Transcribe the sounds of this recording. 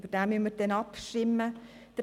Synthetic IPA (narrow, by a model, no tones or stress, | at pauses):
bədaːmyəmːəɾdɛnɑpʃɪmːə | d̪̥ɾ